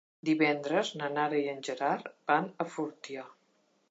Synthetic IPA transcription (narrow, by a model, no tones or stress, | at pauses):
d̪iβɛnd̪ɾəznənaɾəjənʲʒəɾaɾb̥anəfuɾt̪ja